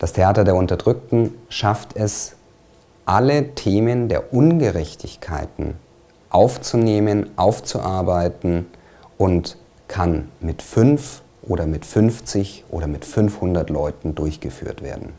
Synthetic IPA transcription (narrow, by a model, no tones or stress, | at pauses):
d̥astʰeʔaːtɐdeːɐʊntɐdʁʏk̚tn̩ʃaftʰɛs | ʔalətʰeːməndeːɐʔʊnɡəʁɛçtʰɪçkʰa̰ɪtn̩ | ʔaʊft͡suneːmənʔaʊft͡suʔaɐbaɪtn̩ | ʔʊnt | kʰanmɪtfʏnf | ʔoːɾɐmɪtfʏnft͡sɪçʔo̰ːɾɐmɪtfʏnfhʊndɐtlɔʏtn̩dʊɐçɡ̥əfy̰ːɐtv̥ḛːɐdn̩